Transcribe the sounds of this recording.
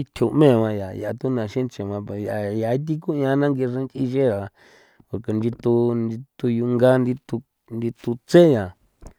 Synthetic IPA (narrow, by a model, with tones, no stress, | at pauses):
i˦t̪ʰu˧˨˧mẽ˦˨mã˧ja˨ja˨˧t̪u˦nã˨ʃĩ˦nt͡ʃe˨mã˧pja˨ja˨˧i˦t̪̬i˦ku˦ɲ˧ã˧nã˦ŋɡi˧ʐẽ˧˦nt͡ʃi˧ʃe˦ɾa˨˧ | ka˨ke˨ndi˧t̪u˧ndi˧t̪u˧ju˧ŋɡa˦nd̪i˧t̪u˧ | ndi˧t̪u˧t͡se˦ja˨